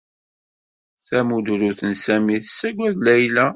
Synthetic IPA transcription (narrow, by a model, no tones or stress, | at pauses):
θæmud̪uɾuθənsæmiθsːæɡʷæðlæjlæ